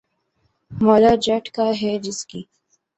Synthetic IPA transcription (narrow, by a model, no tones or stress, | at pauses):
mɔːlad͡ʒɐʈkaɦɛd͡ʒɪskiː